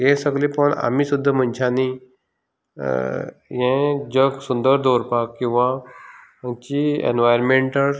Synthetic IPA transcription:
jẽsəɡlĩpəɳa̰m̤iːsud̪ʱːəm̤ənt͡ɕʰani | jɛ̃d͡ʑəɡsund̪əɾd̪ʱoɾpakkːĩw̃ʋã | t͡ɕiḛnʋajɾmeɳʈə

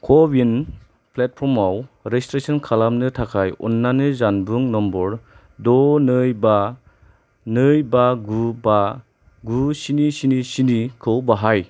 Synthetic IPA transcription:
kʰɔbin | plet̚pʰɔɾmawɾestɾesɔnkʰalamnɯtʰakʰajɔ̰nːanɯzanbɯŋnɔmbɔɾ | dɔnɯjba | nɯjbaɡuba | ɡusinisinisinikʰɯwbaɦaj

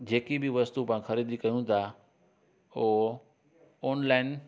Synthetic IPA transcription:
d͡ʑeːkibɪʋɐst̪upãːxɐɾiːd̪ikɐjũt̪ʰa | oː | ɔːnlaːɪn

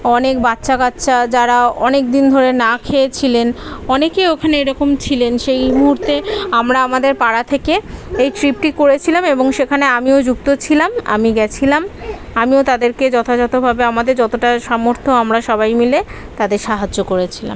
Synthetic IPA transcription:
ɔnek̚batːɕakat̪ːɕʰad͡ʑaɾaɔnek̚d̪ind̪ʱoɾenakʰeet͡ɕʰilenɔnekeokʰaneeɾɔkomt͡ɕʰilenʃejmuɦuɾt̪eamɾaamad̪eɾpaɽat̪ʰekeejʈɾip̚ʈikoɾet͡ɕʰilameboŋʃekʰaneamiod͡ʑukt̪ot͡ɕʰilama̰miɡɛt͡ɕʰilam | amiot̪ad̪eɾked͡ʑɔt̪ʰad͡ʑɔt̪obʱabeamad̪eɾd͡ʑɔt̪oʈaʃɔmoɾt̪ʰoamɾaʃɔβajmile | t̪ad̪eɾʃaɦad͡ʑːokoɾet͡ɕʰila̰m

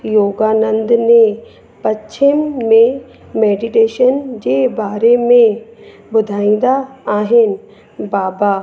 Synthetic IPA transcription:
joːɡaːnə̃nd̪nẽ | pɐtt͡ɕʰɪmmẽ | meːɖiʈeːʃənd͡ʑeːbaːɾemẽ | bʊd̪ʱaːĩːn̆d̪aaːɦɪnɪ̆ | baːba

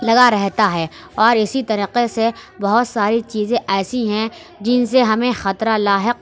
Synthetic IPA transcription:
lɐɡaɾɛɦt̪aɦɛː | ɔːɾɪsit̪ɐɾiːqesebɐɦʊt̪saːɾit͡ʃiːzẽʔɛːsiɦɛ̃ | d͡ʒɪnseɦɐmẽxɐt̪ɾalaːɦɪq̚

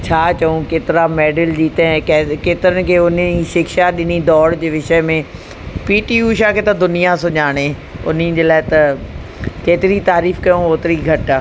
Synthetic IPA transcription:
t͡ɕʰaːt͡ɕɐũkeːt̪ɪɾameːɖəld͡ʑiːt̪ẽkːkeːt̪ɪɾənɪ̆kʰeːʊniʃɪkʃaɗɪnid̪ɔːɽd͡ʑeːʋɪʃəmẽ | piːʈiːuːʃaːkʰeːt̪ɐd̪ʊnijasʊɲaːɽ̃eʊ̰n̤ĩd͡ʑeːlaːɪt̪ɐ | keːt̪ɪɾit̪aːɾiːfkɐjõoːt̪ɪɾiɡʱɐʈa

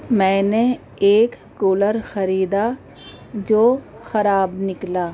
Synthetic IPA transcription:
mɛ̃ːne | eːkːoːləɾxɐɾiːd̪a | d͡ʒoːxɐɾaːbnɪklaː

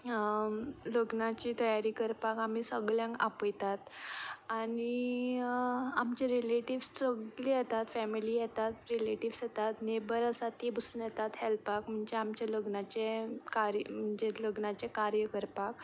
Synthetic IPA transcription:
ləɡnat͡ɕiːt̪əjaɾiːkəɾpakam̤iːsəɡɭjãŋkapəjt̪at̪añi | amt͡ɕeɾileʈiʋssəɡlijɛt̪at̪fɛmiliːjɛt̪at̪ɾileʈiʋsjɛt̪at̪nebəɾəsat̪ibəsuːnjɛt̪at̪hɛlpak̚m̤əɳd͡zeamt͡ɕaləɡnat͡ɕekaɾjəm̤əɳd͡ʑeləɡnat͡ɕekaɾjəkəɾpak̚

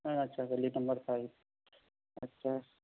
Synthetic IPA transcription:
ɐtːʃʰaɡɐlinɐmbəɾpʰajb̚ | ɐtːɕʰa

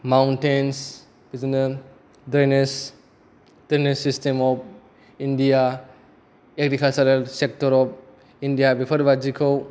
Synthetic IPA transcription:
mawntens | bizinɐ | dɾenes | d̥enesistemɔp̚ | indija | eɡɾikalsaɾelsek̚tɔɾɔp̚ | indijabipʰɐɾbad͡ʒikʰɔw

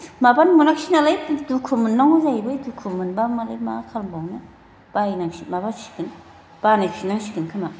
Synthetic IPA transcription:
mabanmunakʃʰinalajtdukʰumɯnːɔŋuzajbɯjdukʰumɯnbamalajmakʰalmbawna | b̥ainaŋʃimabanʃi̥kɯn | b̥anakʃʰinaŋʃikɯnkʰama

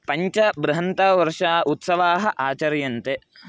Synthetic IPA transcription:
pɐɲt͡ʃɐbɾɐɦɐnt̪aːʋɐɾʂaːʔut̪sɐʋaːɦɐʔaːt͡ʃɐɾjɐnt̪e

